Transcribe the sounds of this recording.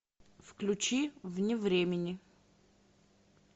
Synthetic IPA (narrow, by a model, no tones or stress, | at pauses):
fklʲʉt͡ɕivnʲɪvɾʲemʲɪnʲɪ